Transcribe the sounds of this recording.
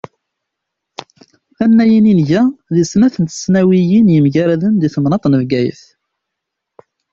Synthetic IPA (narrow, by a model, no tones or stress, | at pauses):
ænːæjininʝæðisnæθənt̪ə̥snæwijinjəmʝæɾæðənd̪iθəmnɑt̪ˤnəvɡæjə̰θ